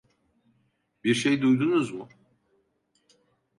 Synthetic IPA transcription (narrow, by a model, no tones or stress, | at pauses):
biɾʃejd̪ujd̪unuzmʊ